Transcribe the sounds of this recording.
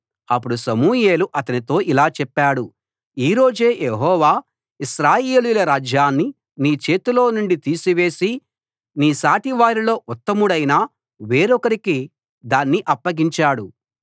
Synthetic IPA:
ɐpːuɽusɐmuːje̞ːluʔɐt̪ɐnit̪o̞ːʔilaːt͡ʃɛpːaːɽu | iːɾo̞ːd͡ʒe̞ːjeɦɔːʋaː | iʃɾaːjeːlujlɐɾaːd͡ʒjaːnːi | niːt͡ʃe̞ːt̪ulo̞ːnuɳɖit̪iːsiʋe̞ːsi | niːsaːʈiʋaːɾilo̞ːʔɔt̪ːɐmuɽɐjnaː | ʋeːɾɔkɐɾiki | d̪aːnːiʔɐpːɐɡiɲt͡ʃaːɽu

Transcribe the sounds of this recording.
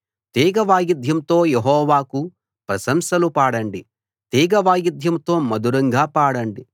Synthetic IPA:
t̪iːɡɐʋaːjid̪ʱjɐmt̪o̞ːjeɦɔːʋaːku | pɾɐsɐmsɐlupaːɽɐɳɖi | t̪iːɡɐʋaːjid̪ʱjɐmt̪o̞ːmɐd̪uɾɐŋɡaːpaːɽɐɳɖi

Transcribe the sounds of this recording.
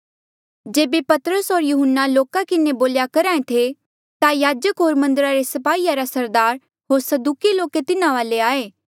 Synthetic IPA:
d͡ʒeːbepɐt̪ɾəsɦoːɾjuɦənːaloːkakɪneboːljakɐɾãːẽt̪ʰe | t̪ajaːd͡ʒəkɦoːɾmɐ̃nd̪əɾaɾesɐpaːiːjaɾasɐɾd̪aːɾ | ɦoːɾsɐd̪uːkiloːket̪ɪnaʋaːleaːeː

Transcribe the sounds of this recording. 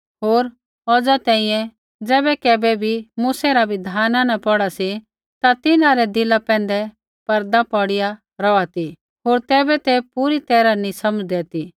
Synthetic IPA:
ɦoːɾ | ɔd͡zat̪ɛ̃ːĩjɛ̃ | d͡zɛːbɛkɛːbɛbʱimuːsɛɾabʱid̪ʱaːnanɐpɔɽasi | t̪at̪ɪnãɾɛd̪ɪlapɛ̃ːnd̪ɛ | pɐɾd̪apɔɽɪja | ɾɔat̪i | ɦoːɾt̪ɛːbɛt̪ɛpuɾit̪ɛːɾanĩsɐmd͡zd̪ɛt̪i

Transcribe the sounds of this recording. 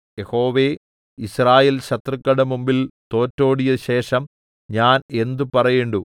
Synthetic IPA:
jeho̞ːʋe̞ | israːjeːlɕɐt̪rɨkːɐɽɐmumbilt̪o̞ːtːo̞ːɽijɐɕe̞ːʂɐm | ɲaːne̞nd̪upɐrɐjeɳɖu

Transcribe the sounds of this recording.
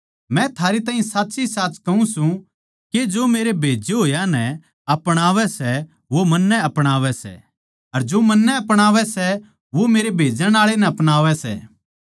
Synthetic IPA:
mɛ̃t̪ʰaːɾit̪aːɦĩsaːt̪ːsisaːt͡ʃkɐũsũ | ked͡ʒoːmeːɾebʱeːd͡ʒeɦoːjanɛ | ɐpɽ̃aːʋɛsɛ | ʋomɐnːɛɐpɽ̃aːʋɛsɛ̰ | ɐɾd͡ʒoːmɐnːɛɐpɽ̃aːʋɛsɛ | ʋomeːɾebʱeːd͡ʒəɽ̃aːɭenɛɐpɽ̃aːʋɛsɛ̰ː

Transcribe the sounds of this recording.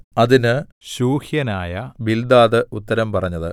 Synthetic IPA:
ɐðinɨ | ɕuːhjɐnaːjɐbild̪aːðɨut̪ːɐɾɐmpɐrɐɲːɐðɨ̰

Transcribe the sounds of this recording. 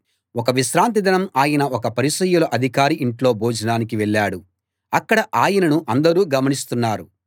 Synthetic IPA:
ɔkɐʋiʃɾaːnt̪̬id̪ɐnɐmaːjɐnɐɔkɐpɐɾisɐjulɐʔɐd̪ʱikaːɾiʔiɳʈlo̞ːbʱoːd͡ʒʱɐnaːnikiʋɛɭːaːɽu | ɐkːɐɽɐʔaːjɐnɐnuʔɐnd̪ɐɾuːɡɐmɐnist̪unːaːɾu

